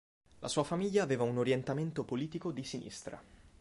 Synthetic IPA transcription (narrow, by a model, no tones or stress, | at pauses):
lʔa̰suːafamiʎːaːveːvaunoɾjent̪ament̪opoliːt̪ikod̪isinḭst̪ɾa̰